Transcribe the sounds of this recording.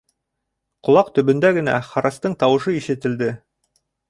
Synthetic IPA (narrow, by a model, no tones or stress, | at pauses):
qŏlˠɑqt̪ɵ̆βɵ̆nd̪æɡɘ̆næ̰χɑɾɑst̪ɤɴt̪ɑwɤ̆ʃɤiʃɘ̆t̪ɘ̆ld̪ɘ